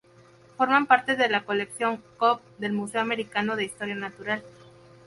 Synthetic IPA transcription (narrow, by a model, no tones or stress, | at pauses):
fo̞ɾmampaɾt̪e̞ðe̞lako̞leksjo̞ŋkop̚ | d̪e̞lmuseoame̞ɾikano̞ð̞e̞ist̪o̞ɾjanat̪uɾal